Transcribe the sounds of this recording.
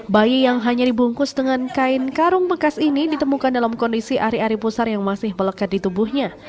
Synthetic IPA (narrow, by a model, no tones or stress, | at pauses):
bajijaŋɦaɲadibuŋkʊsdəŋankaɪnkaɾʊŋbəkasinidit̪əmukandalamkɔndisiʔaɾiaɾipusarjaŋmasɪhmələkat̪̚dit̪ubʊhɲa